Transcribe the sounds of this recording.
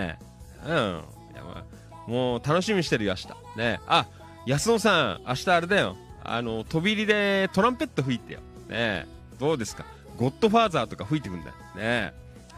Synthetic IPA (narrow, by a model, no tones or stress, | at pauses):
ɯ̃ | ja̰ma̰ | mo̞ːt̪ano̞ɕimʲiɕi̥t̪e̞ɾɯjoaɕi̥t̪ḁ̰ | ne̞a | jasɨnosãaɕi̥t̪aːɾe̞d̪ajo̞̰a̰no̞t̪o̞bʲiɾʲid̪e̞t̪o̞ɾãmpe̞t̪ːoɸɯ̟it̪e̞jo̰ | nḛ | d̪̥o̞ːd̪e̞sɨ̥ka | ɡo̞t̪ːo̞ɸaːzaːt̪o̞kaɸɯit̪e̞kɯ̟̃nd̪a̰jone